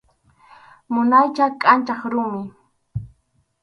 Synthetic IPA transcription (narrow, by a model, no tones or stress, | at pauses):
mʊnajt͡ʃakʼant͡ʃɑχɾʊmɪ